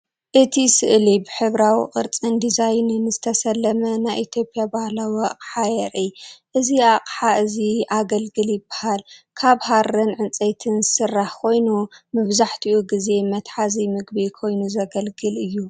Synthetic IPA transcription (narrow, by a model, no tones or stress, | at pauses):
ʔɨt̪ʰisɨʔlibɨħɨβɾawḭqʼɨ̰ɾt͡sʼind̪izajnɨnɨzɨt̪ʰɐsɐlːɐmɐnajʔit̪ʰjo̞pʼjabahlawiaqʼħajɛɾʔiʔɨziaqʼħaʔɨziaɡɐlɡɨljɪbːḁhalkʰaβharɨnʕɨnt͡sʼejt̪ʰɨnzɨsɨrːaħkʰo̞jnumɨβzaħt̪ʰiʔuɡize̞mɐt̪ħazimɨɡbikʰo̞jnuzɐɡɐlɡɨlʔɨjːu